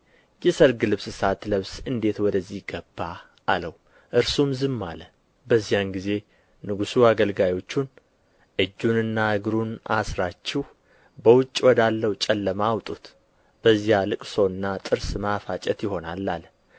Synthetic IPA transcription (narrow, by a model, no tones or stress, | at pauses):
jɛsəɾɡɨlɨβsɨsat̪ləβsɨnd̪e̞t̪wɔd̪əzːiɡəbːaː | ləw | ʔɨɾsumzɨmːalə | bəzːijanɡize̞ | nɨɡusuaɡəlɡajo̞t͡ʃːun | ʔɨd͡ʒːunɨnːaɨɡɾunasɾat͡ʃːɛh | bəwʊt͡ʃʼːwɔd̪alːəwt͡ʃʼɛlːəmawt̪ʼut̪ | b̥əzːijalɨkʼso̞ɨnːat̪ʼɨɾsmafat͡ʃʼɛt̪jɪɦo̞nalːal